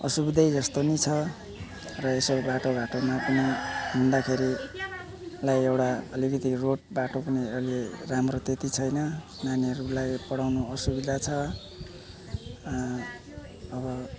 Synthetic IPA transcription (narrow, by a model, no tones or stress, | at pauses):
ʌ̰subid̪ʱʌjd͡zʌst̪onit͡sʰʌ | rʌesobaʈobaʈomapʌniɦund̪akʰeɾi | lajewʈaʌlikʌt̪iroʈ̚baʈopʌniʌliramrot̪et̪it͡sʰʌjnʌ | naniʌɾulajpʌɽawnoʌsubid̪ʱat͡sʰʌ | βʌ